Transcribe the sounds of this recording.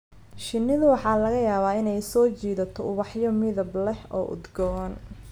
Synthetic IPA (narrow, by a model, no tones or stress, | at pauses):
ʃɪnːɪðʊwɑħɑːlɐɣɐjaːβaːɪnɛjsɔːt͡ʃiːðɐt̪ʰɔʊβɑħjɔmɪðɐblɛhɔ̰ːʔʊ̰d̪ɡɔɐn